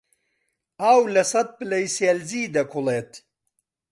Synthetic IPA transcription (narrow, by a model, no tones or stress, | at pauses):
aːwlɐsɐt̪̚pɨlɐjselziːd̪ɐkʰʊleːt̪